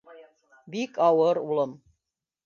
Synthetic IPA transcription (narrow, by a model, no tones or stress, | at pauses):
bikʼɑwəɾuləm